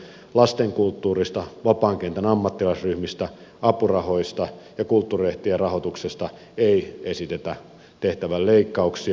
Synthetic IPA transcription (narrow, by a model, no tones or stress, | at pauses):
lɑst̪eŋkult̪ːuːrist̪ɑʋɑpɑːŋkent̪ænɑmːɑt̪ːilɑsryhmist̪æɑpurɑhoist̪ɑjɑkult̪ːuːrieht̪ierɑhot̪uksest̪ɑ | eiesit̪et̪æ | t̪eht̪æʋælleikːɑuksi